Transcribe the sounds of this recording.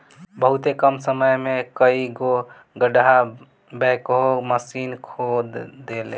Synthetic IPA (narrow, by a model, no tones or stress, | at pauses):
bəɦut̪ekəmsəməjmekəiɡo | ɡəɖɦa | bɛkɦoməsinkʰod̪d̪ele